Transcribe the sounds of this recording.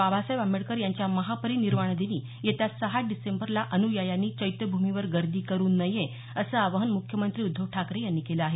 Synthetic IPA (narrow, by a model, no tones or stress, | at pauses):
babasəjʋamiɭkəɾjaɲt͡ɕjaməɦapəɾiniɾmaɳ̃d̪eniː | jet̪jasəɦaɖisembəɾlaʔənujajanːiːt͡ɕəjt̪əbʱumiʋəɾɡəɾd̪ʱiːkəɾuːnːəjẽ | əsəːaʋəɦənmukʰjəmənt̪ɾiːud̪ʱːəʋʈʰakɾejanːiːkeləaɦe